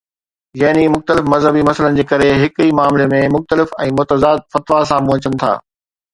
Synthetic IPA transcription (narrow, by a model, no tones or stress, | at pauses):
jɐɦnimʊxt̪əlɪfmɐzɦəbimɐsələnɪ̆d͡ʑeːkɐɾeɦɪkimaːmlemẽmʊxt̪əlɪfɛ̃ːmʊt̪əzaːd̪̚fɐt̪ʋasãpũɦət͡ɕənɪ̆t̪ʰa̰ː